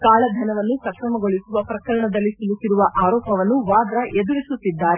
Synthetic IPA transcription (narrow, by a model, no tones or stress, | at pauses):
kaːɭɐd̪ʱɐnɐʋɐnːupɾɐkɾɐmɐɡo̞ɭisuʋɐpɾɐkɐɾɐɳɐd̪ɐlːisulusiɾuʋɐʔaːɾɔːpɐʋɐnːuʋaːd̪ɾɐʔed̪uɾisut̪ːid̪ːaːɾe